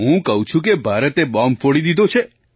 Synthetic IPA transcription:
ɦũkəɦũt͡ʃʰũk̬ebʱaɾət̪ebɔmfoɽid̪id̪ʱot͡ʃʰe

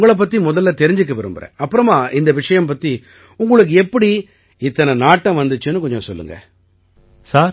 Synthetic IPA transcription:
ŋɡɐɭɐp̬ːɐt̪ːimʊðɐlːɐt̪ɛɾɪɲd͡ʒɪɯk̬ːɐʋɐɾɯmbɐɾḛ̃ːɐpːɯɾɐmaːʔɪnd̪ɐʋɪʂɐjɐmpɐt̪ːi | ʊŋɡɐɭɯk̬ːɯɛpːɐɽi | ɪt̪ːɐnɐnaːʈːɐ̃ʋɐnd̪ɯt͡ʃːɯnːɯk̬ɔɲd͡ʒɔ̃sɔlːɯ̰ŋɡɐ̰ | saːɾ

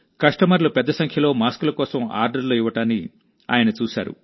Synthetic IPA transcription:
kɐʂʈɐmɐɾlupɛd̪ːɐsɐŋkʰjɐlo̞ːmaːskulɐkɔːsɐma̰ːɾɖɐɾloːiʋːɐʈaːnːi | a̰ːjɐnɐt͡ʃuːsa̰ːɾṵ

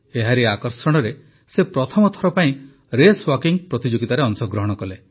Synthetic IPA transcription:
eɦaɾeakɔɾsɔɽ̃ɔɾe | sepɾɔt̪ʰɔmɔt̪ʰɔɾɔpaĩ | ɾeswɔkiŋpɾɔt̪id͡ʒoɡit̪aɾeɔnsɔɡɾɔɦɔɽ̃ɔkɔle

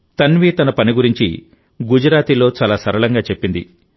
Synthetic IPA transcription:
t̪ɐnʋiːt̪ɐnɐpɐniɡuɾiɲt͡ʃḭ | ɡud͡ʒɐɾaːt̪ilo̞ːt͡ʃaːlaːsɐɾɐɭɐŋɡaːt͡ʃe̞pːind̪ḭ

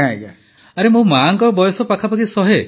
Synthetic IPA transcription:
ãɡa | aɾemũmaŋkɔɾbɔjɔsɔpakʰapakisɔɦe

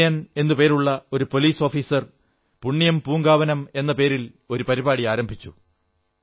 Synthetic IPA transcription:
jɐne̞nːupe̞ːɾuɭːɐoɾupo̞liːso̞ːfiːsɐr | puɳːijɐmpuːŋɡaːʋɐnɐme̞nːɐpe̞ːɾil | o̞ɾupɐɾibaːɽiaːɾɐmbʱit͡ɕːu

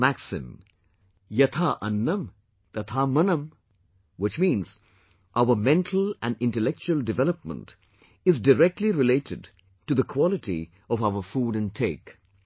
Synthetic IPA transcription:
mæksɪ̰̃m | jɐt̪ʰaʔʌ̃nːə̃m | t̪ɐt̪ʰamʌnə̃m | wɪt͡ʃmĩːnz̥ | ʔaʊəmɛ̃nʈʰəl̩æ̃nɪ̃nʈəlɛk̚t͡ʃuəldɨvɛləpmə̰̃nt | ɪzdəɾɛk̚ʈʰliɾɪleɪtʰɪd | ʈud̪əkʰwɔlɪʈḭ | ɔvaʊəfuːɾɨ̃ntʰeɪk

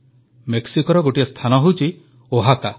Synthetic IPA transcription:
meksikɔɾɔɡoʈiest̪ʰanɔɦowt͡ʃʰi | oɦaka

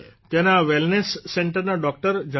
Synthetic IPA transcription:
t̪ẽɦnaʋelnesːẽɳʈəɾnaɖɔk̚ʈəɾd͡ʑə

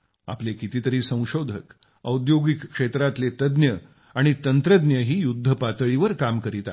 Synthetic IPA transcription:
a̰plekit̪iːt̪əɾiːsə̃w̃ɕod̪ʱək | əud̪joɡikːʂet̪ɾat̪let̪əd̪njə | aɽ̃it̪ənt̪ɾəd̪njəɦiːjud̪ʱːəpat̪əɭiʋəɾkamkəɾit̪a̰

